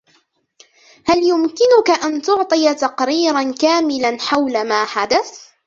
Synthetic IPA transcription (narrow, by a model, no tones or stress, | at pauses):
haljʊmkɪnʊkaʔant̪ʊʕt̪ˤɨjat̪ɑqɾiːɾankaːmɪlanħawlamaːħad̪aθ